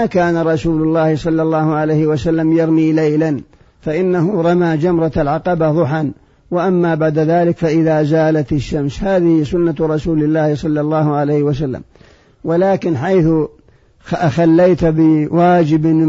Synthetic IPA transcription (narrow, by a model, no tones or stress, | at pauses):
akaːnaɾˤɑsuːlʊlˤːɑːhɪsˤɑlːɑlˤːɑːhʊʕalejhɪwasalːamjɑɾˤmiːlajlan | faʔɪnːaɦʊɾˤɑmaːd͡ʒamɾˤɑalʕɑqɑbaðˤʊħan | waʔamːabaʕd̪aðaːlɪkfaʔɪðaːzaːlat̪ɪʃːamshaːðɪhɪsʊnːaɾˤɑsuːlɪlːaːhɪsˤɑlːɑlˤːɑːhʊʕalejhɪwas̬alːa̰m | walaːkɪnħajθʊ | xalːajt̪bɪwaːd͡ʒɪb